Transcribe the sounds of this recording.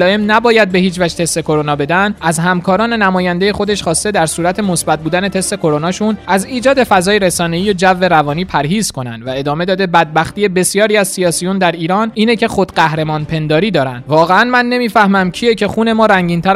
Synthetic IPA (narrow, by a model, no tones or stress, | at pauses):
lɒːe̞mnæbɒːjæd̪̚be̞hiːt͡ʃvæd͡ʒt̪ʰe̞st̪e̞kʰo̞ɾonɒːbe̞d̪ænd̪æzhæmkʰɒːɾɒːne̞næmɒːjænd̪eje̞xo̞d̪e̞ʃχɒːst̪e̞d̪æɾsuːɾæt̪ʰe̞mo̞sbæt̪̚buːd̪æne̞t̪ʰe̞st̪e̞kʰo̞ɾo̞nɒːʃunæziːd͡ʒɒːd̪e̞fæzɒːjeɾe̞sɒːne̞iːjod͡ʒævːe̞ɾævɒːniːpʰæɾɦiːz̥kʰo̞næ̰nd̪væe̞d̪ɒːme̞d̪ɒːd̪e̞bæd̪̚bæxt̪iːjebe̞sjɒːɾiːæzsijɒːsijund̪æɾiːɾɒːniːnecʰe̞xo̞d̪ɢæhɾe̞mɒːnpʰe̞nd̪ɒːɾiːd̪ɒːɾænd̪vɒːɣe̞ænmænːe̞miːfæhmæmcʰiecʰe̞xuːne̞mɒːɾæŋɟiːnt̪ʰæɾ